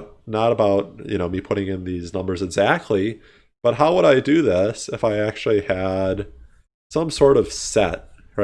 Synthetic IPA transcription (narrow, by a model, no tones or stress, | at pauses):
nəɾəbaʊt̚jɨ̰ñoʊmipʰʊɾɪ̃ŋɨ̃nðiznʌ̃mbə˞zɨɡzæk̚tʰˡli | b̥ʌt̚ɦaʊwəɾaɪdɨðɪsɨfaɪæk̚t͡ʃʉl̩ˠiɨd̥ | sʌ̃msɔɹɾʌv̥sɛ̰t̚ɹ